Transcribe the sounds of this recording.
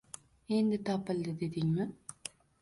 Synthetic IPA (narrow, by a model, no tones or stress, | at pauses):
end̪ɪt̪apɨld̪ɨd̪ed̪iŋmɪ